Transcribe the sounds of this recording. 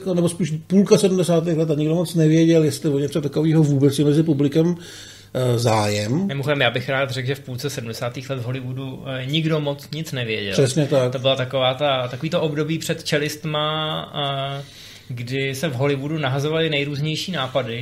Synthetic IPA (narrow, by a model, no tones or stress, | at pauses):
konɛbospiːʃpuːlkasɛdumdɛsaːt̪̬ɪxlɛt̪aɲɪɡdomot͡snɛvɪjɛɟɛljɛst̪lɪvoɲɛt͡sot̪akoviːɦovuːbɛt͡sjɛmɛzɪpublɪkɛm | zaːjɛmmɪmoxoɛmjaːbɪxɾaːt̪rɛɡʒɛfpult͡sɛsɛdm̩dɛsaːt̪iːxlɛt̪vɦo̞lɪvuduɲɪɡdo̞mot͡sɲɪt͡snɛvjɛ̰ɟɛ̰lr̥ɛsɲɛt̪akt̪obɪlat̪akovaːt̪at̪akoviːt̪oʔobdo̞biːpr̥ɛt̪t͡ʃɛlɪst̪ma | ɡdɪsɛvɦo̞lɪvudunaɦazovalɪnɛjɾuːzɲɛjʃiːnaːpadɪ